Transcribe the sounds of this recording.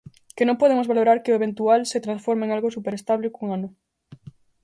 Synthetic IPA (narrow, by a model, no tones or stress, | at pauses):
kɪnõŋpoð̞emʊzβaloɾaɾkɪʊeβ̞ent̪ualset̪ɾãnsfoɾmẽŋalɣosupeɾest̪aβlekuŋanʊ